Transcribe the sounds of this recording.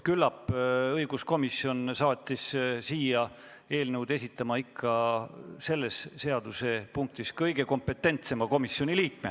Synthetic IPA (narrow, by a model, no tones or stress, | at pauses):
kylːɑpːɤjɡusko̞misjo̞nsɑːt̪ʲˑːissiːjɑ | e̞ːlnəwd̪̥e̞s̬ʲit̪ˑːɑmɑikʰːɑse̞lːe̞sse̞ɑd̪use̞puŋk̚t̪iskɤjɡ̥e̞ko̞mpe̞t̪ːˑe̞nt̪se̞mɑko̞misːjo̞nʲiliːk̚me